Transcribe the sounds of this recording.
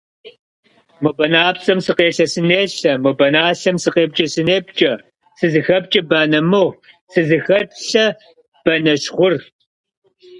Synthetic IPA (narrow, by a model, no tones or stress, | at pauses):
mobɐnaːpsʼɐmsɨqeːɬɐsɨneːɬɐmobɐnaːɬɐmsɨqeːp̚t͡ʃʼɐsɨneːbt͡ʃʼɐ | sɨzɨxɐp̚t͡ʃʼɐbaːnɐmɨʁ | sɨzɨxɐp̚ɬɐ | b̥ɐnɐʃχʷʊr